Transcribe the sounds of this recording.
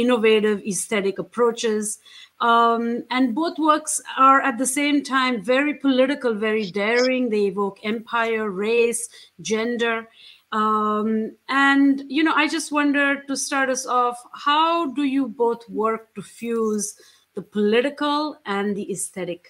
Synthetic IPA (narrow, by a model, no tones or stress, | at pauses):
ɪ̃noveːɾɪʋɪst̪ɛɾɪkəpʰɾoːt͡ʃɪz | æ̃nɖboːt̪ʰwəɾksaɹæt̚d̪əsẽːmtʰãɪ̃mvɛɹipʰəlɪɾɪkəlʋɛɹiɖɛɹɪ̃ŋd̪eːɪʋoːkɛ̃mpʰaɪəɹɹeɪsd͡ʒɛ̃nɖə˞ | ʔæ̃nɖjuñoʊʔaɪd͡ʒʌsʈwʌ̃nɖə˞ʈusʈaːɾʈʌsɔfhaʊɖujuboːt̪ʰwəɾk̚ʈufjuːz | d̪əpʰɔlɪɾɪkəlʔæ̃nd̪iɪst̪ɛɾɪk